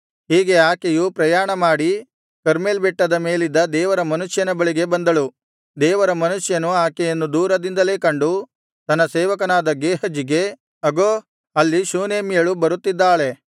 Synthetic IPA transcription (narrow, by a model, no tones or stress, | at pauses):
ɦiːɡe̞aːkejupɾɐjaːɳɐmaːɽi | kɐɾmeːlbɛʈːɐd̪ɐme̞ːlid̪ːɐd̪ɛːʋɐɾɐmɐnuʂjɐnɐbɐɭiɡe̞bɐnd̪ɐɭu | d̪ɛːʋɐɾɐmɐnuʂjɐnuaːkɛjɐnːud̪uːɾɐd̪ind̪ɐle̞ːkɐɳɖu | t̪ɐnːɐsɛːʋɐkɐnaːd̪ɐɡːeːɦɐd͡ʒiɡe̞ | ɐɡoː | ɐlːiʃuːneːmijɐɭubɐɾut̪ːid̪ːaːɭe̞